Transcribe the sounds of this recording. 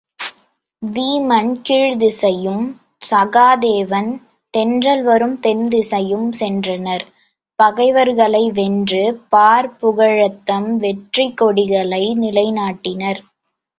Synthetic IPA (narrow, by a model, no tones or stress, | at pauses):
ʋiːmɐnkiːɻðɯsɐjɯm | sɐɣaːðeːʋɐn | t̪ɛndrɐlʋɐɾɯmt̪ɛnd̪ɯsɐjɯmsɛndrɐnɐɾ | pɐɣɐɪʋɐɾɣɐɭɐɪʋɛndrɯpaːɾpʊɣɐɻɐt̪ːɐmʋɛʈrikːɔɽɪɣɐɭɐɪnɪlɐɪnaːʈːɪnɐɾ